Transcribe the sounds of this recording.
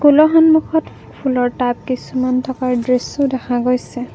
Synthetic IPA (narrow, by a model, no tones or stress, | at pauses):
kulɔɦɔnmukʰɔt | pʰulɔɹtajp̚kisumantʰɔkaɹdɹesʊdɛxʰaɡojsɛ